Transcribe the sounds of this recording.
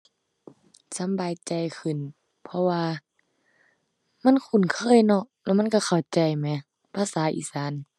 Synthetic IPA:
sa˨˦mbaː˨jt͡ɕa˨jkʰɯ˧˩˨n | pʰɔ˧waː˧ | ma˧˥˨nkʰu˧˩˨nkʰɤː˧˥˨jnɔ˧˩lɛː˧˨ma˧˥˨nka˧˩xʰa˨˩wt͡ɕa˨˩jmɛ˧˦ | pʰaː˧˨saː˨˦ʔḭː˧˨saː˨˦n

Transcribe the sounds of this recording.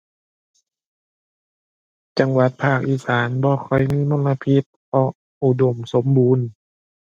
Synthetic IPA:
t͡ɕa˧˦ŋwa˧˦t̪̚pʰaː˥˩k̚ʔiː˧˩saː˨˦nbɔː˧˦kʰɔ˨˩˦jmiː˧˥˨moː˧˥˨nla˧pʰi˧˩t̪̚ʔɔː˧˩ʔ | ʔu˧˩do˨˩mso˨˦mbuː˧˨n

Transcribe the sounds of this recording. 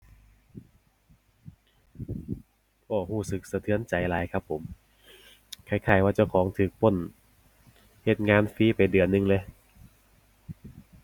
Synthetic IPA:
ʔɔː˧˩huː˧˩sɯ˧˩k̚sa˧t̪ʰɯ˧˦ənt͡ɕa˨˩jlaː˨˦jkʰa˦˧˥pʰːo˩˦m | kʰa˧˩jkʰaː˧˩jwaː˧˩t͡ɕa˧˩wkʰɔː˩˦ŋt̪ʰɯː˨˩k̚pʰo˧˩˨n | he˧˩t̪̚ŋaː˧˥nfiː˧˦˥pa˨jdɯ˨˩ənːɯ˧ŋleː˧

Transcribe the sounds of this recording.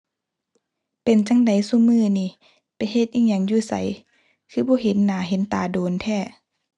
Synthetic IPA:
pe˨nt͡ɕa˧˥ŋda˨˩jsu˧˦mɯː˧˨niː˧˩ | pa˨jɦe˧t̪̚ʔiː˧˩ŋɲa˧˩ŋjuː˧˩sa̰˨˦j | kʰɯː˧˩bɔː˧˦ɦe˨˦nːaː˨˦ɦe˨˦nt̪a̰ː˨˩doː˨nt̪ʰɛː˧˩

